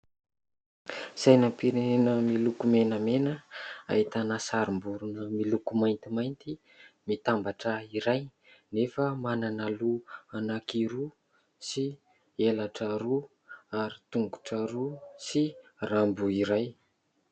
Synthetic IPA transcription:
sajnampiɾenenəmilukumenəmenəa̰it̪anasaɾimbuɾunəmilukumajnt̪imajnt̪i | mit̪ambaʈ͡ʂəiɾaj | nefəmananaluanakiɾu | si | elaʈ͡ʂəɾu | aɾit̪uŋɡu̥ʈ͡ʂəɾusirambuiɾaj

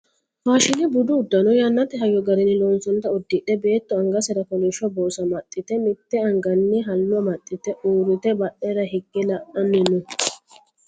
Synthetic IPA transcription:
faːʃɪnɛbʊd̪ʊːd̪ːɐnɔjɐnːɐt̪ɛɦɐjɔɡɐɾɪnɪlɔnsɔnt̪ːɐɔd̪ːɪᶑɛbe̞ːt̪ːɔɐŋɡɐsɛɾɐkɔlɛʃɔboːsɐmɐt̪ʼːɪt̪ɛmɪt̪ːɛɐŋɡɐnːɪɦɐlːʊɐmɐt̪ʼːɪt̪ɛʔuːɾɪt̪ɛbɐʔːɛɾɐɦɪɡːɛlɐʔɐnːɛnːɔ

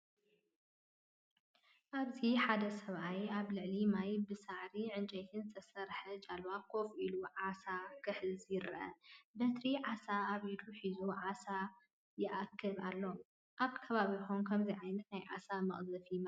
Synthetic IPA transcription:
ʔaβziħad̪ɐsɐβʔajaβlɨʕlimajbɨsaʕɾiʕɨnt͡ʃʼɐjt̪ʰɨnzɨt̪ʰɐsɐɾħɐt͡ʃʼalwakʰo̞filuʕasakʰɨħlzjɪɾʔɐ̰bɐt̪ɾiʕasaːβid̪uħizuʕasa | jɪʔakʰːɨβalːo̞ | ʔaβkʰɐβaβixonkʰɐmzijʕajnɐt̪najʕa̰samɐ̰χʼzɐfim

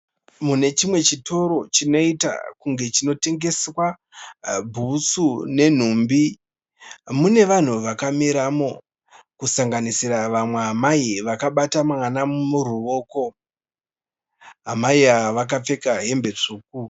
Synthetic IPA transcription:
mune̞t͡ʃimwe̞t͡ʃito̞ɾo̞t͡ʃino̞ita̰kuŋɡe̞t͡ʃino̞te̞ŋɡe̞swa | bʱusune̞n̤umbi | mune̞ʋan̤uʋakamiɾamo̞ | kusaŋɡanisiraʋamwe̞ɦamaiʋakaɓatamaŋwanamuɾuʋo̞ːko̞ | ɦamaiaʋak̬ap͡fe̞kaɦe̞mbe̞t͡ʂuːk̚u

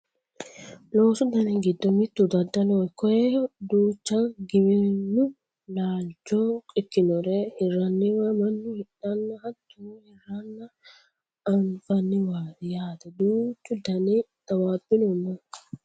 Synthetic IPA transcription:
loːsʊd̪ɐnɛɡɪd̪ːɔmɪt̪ːud̪ɐd̪ːɐlojkɔjɛd̪uːt͡ʃːɐɡɪmɪnːʊ | laːld͡ʒɔkʼɪkːɪnɔɾɛhɪrːɐnːɪwɐmɐnːʊhɪɗɐnːɐhɐt̪ːuhɪrːɐnːɐ | ɐnfɐnːɪwaːjaːd̪ɐd̪uːt͡ʃːʊd̪ɐnɛt̪ɐwaːbːɪnɔnːɐ

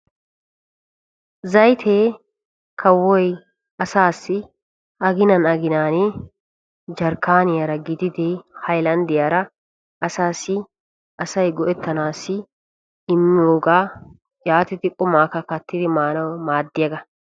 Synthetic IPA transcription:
zɐjt̪ʰeː | kʰɐwːɔj | ɐsaːsːɪ | ɐɡɪnɐnɐɡɪnaːnɪ | d͡ʒɐɾkːaːnɪjɐɾɐɡɪd̪ɪd̪ɛhɐjlɐnd̪ɪjaːɾɐ | ɐsaːsɪ | ʔɐsɐjɡɔʔɛt̪ːɐnaːsɪ | ɪmːɪoːɡaː | jaːt̪ɪt̪ɪkʼʊmaːkɐkɐt̪ːɪd̪ɪmaːnɐwmaːd̪ːɪjɐɡɐ

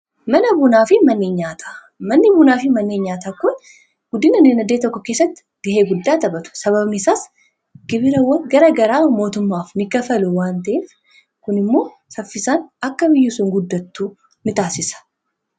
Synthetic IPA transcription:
mɐnɐbʊnaːfɪmɐnːeːɲɲaːt̪ʰḁː | mɐnːɪbʊnaːfɪmɐnːeːɲɲaːt̪aːkʊn | ɡ̥ʊd̪ɪnɐnɪnɐd̪eːt̪ɔkːɔke̞ːsːɐt̪ːɪ̥ | ɡɐhe̞ːɡʊd̪ːaːt̪ɐbɐt̪ʊ̥sɐβɐbnɪsaːs | ɡ̥ɪbɪɾɐwɐnɡɐɾɐɡɐɾaːmo̞ːt̪ʊmːaːfnɪɡɐfɐlʊwaːnt̪ɐʔeːf | kʊnɪmːo̞ː | sɐfːɪsaːnɐkːɐbɪjːʊsʊŋɡʊd̪ːɐt̪ːuː | nɪt̪aːsɪsɐ̥

